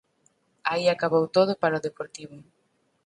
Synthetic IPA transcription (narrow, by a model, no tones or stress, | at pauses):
aiakaβowt̪oð̞ʊpaɾaoðepoɾt̪iβʊ